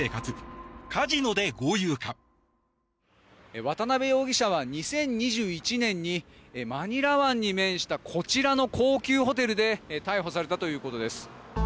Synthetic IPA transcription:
eːkat͡sɨkʰaʑino̞d̪e̞ɡojɯːka | βat̪anabe̞jo̞ːɡʲiɕaβ̞aɲ̟isẽ̞ɲ̟ɲiʑɨːit͡ɕinẽ̞ɲ̟ːimaɲ̟iɾaβãɲ̟ːimẽ̞ɰ̃ɕi̥t̪akʰo̞t͡ɕiɾano̞kʰo̞ːkʲɨːɦo̞t̪e̞ɾɯ̟d̪e̞t̪aiɦo̞s̬aɾe̞t̪at̪o̞jɯ̟ːko̞t̪o̞d̪e̞sɨ̥

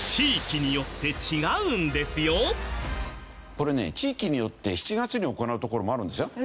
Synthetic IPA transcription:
t͡ɕiːkʲiɲ̟ijo̞t̪ːe̞t͡ɕiɡaɯ̃nd̪e̞sɨjo̞ | ko̞ɾe̞ne̞̰t͡ɕiːkʲiɲ̟ijo̞t̪ːe̞çi̥t͡ɕiɡat͡sɨɲ̟io̞ko̞naɯ̟t̪o̞ko̞ɾo̞mo̞aɾɯ̟nd̪esjo

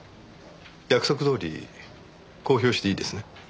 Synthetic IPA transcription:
jakɯ̟so̞k̬ɯ̟d̪o̞ːɾʲḭ | ko̞ːçʲo̞ːɕi̥t̪e̞iːd̪e̞sɨne

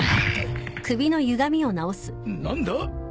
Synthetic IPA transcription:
kɯ̟bʲino̞jɯ̟ɡamʲio̞nao̞sɨ̥nãnd̪a

